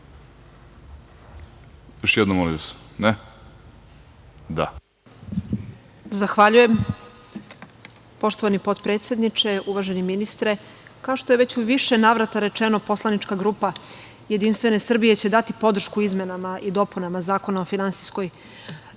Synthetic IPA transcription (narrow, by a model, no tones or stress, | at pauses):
joʃjed̪nomolḭʋasne | d̪a̰ | zaxʋaʎuje̞m | po̞ʃt̪o̞ʋanipo̞d̪pɾet̪sje̞d̪nit͡ʃe̞uʋaʒeniminist̪ɾe | kaoʃt̪ojeʋe̞t͡ɕuʋiʃe̞naːʋɾat̪aɾe̞t͡ʃeno̞po̞slˠanit͡ʃkaɡɾuːpa | jed̪inst̪ʋe̞ne̞sr̩bije̞t͡ɕe̞d̪at̪ipo̞d̪r̩ʃkuizme̞namaʔid̪o̞punamazaːko̞naofinansisko̞j